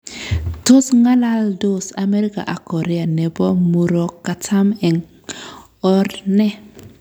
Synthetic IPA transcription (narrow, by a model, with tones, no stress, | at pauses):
to˦sŋa˦la˦ldo˦sa˨me˦ɾi˦ka̰˨ʔa˨ko˨ɾe˦a˨nɛ˨bɔ˦mu˨ɾo˨kːa˨tʰa˦mɛ˨ŋ | ɔ˦ɾnɛ˦